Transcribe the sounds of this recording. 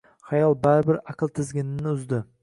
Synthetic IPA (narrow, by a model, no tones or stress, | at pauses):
χɑjɑlˠbæɾɪbɪɾaqɨlˠt̪ʰɪzɡʲɪnɪnːɪʊzd̪ɪ